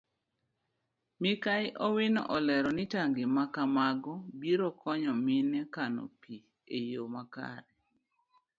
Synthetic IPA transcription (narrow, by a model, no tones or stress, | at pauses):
mɪkajʔɔwinɔ̰ʔɔlɛɾɔnitaŋɡɪmakamaɡɔbiɾokʰɔɲɔmɪnɛkano̰pi | ejomaka̰ɾɛ